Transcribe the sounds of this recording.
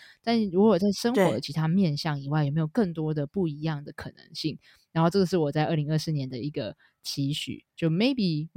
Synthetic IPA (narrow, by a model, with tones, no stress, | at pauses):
t̪a˥˧n˥˩ɻu˧˥ɔ˨ɔ˨˩t͡sa˥˩ɪʂə˥ŋxxɔɔ̰˧˦˥də˨t͡ɕʰi˧˥t̪ʰa˥mjɛ˥˧nɕjɑ˥˩ŋi˨˩wa˥˩ɪjme˧˥ɪjo˨˩ʊkɤ˥˩ŋt̪wɔ˥d̪ə˨pu˥˩i˧˥jɑ˥˩ŋd̪ə˩kʰɤ˨˩nə̰˧˥ŋɕi˥˩ŋ | ɻa˧˥nxo˥˧ʊʈ͡ʂɤ˥˩ɡə˩ʂɻ̩˥˩wɔ˨˩t͡sa˥ɪʔə˥˩li˧˥ŋə˥˧sɹ̩˥˧njɛ˧˦nd̪ə˧i˧˥ɡə˧ | t͡ɕʰi˧˥ɕy̰˨˦t͡ɕjo˥˩ʊme˧˥ɪpi˨˩